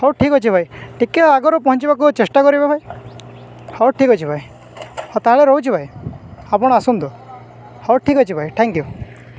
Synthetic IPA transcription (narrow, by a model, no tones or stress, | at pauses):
hɔwʈʰikɦɔt͡ʃʰibʱajʈʰikeaɡɔɾɔpɔɦɔ̃ɲt͡ʃibakut͡ʃesʈakɔɾibabʱaj | hɔwʈʰikɦɔt͡ʃʰibʱaj | ɔt̪aɦaɭeɾɔɦut͡ʃʰibʱajapɔɽ̃ɔasund̪u | hɔwʈʰikɦɔt͡ʃʰibʱajʈʰɛŋkju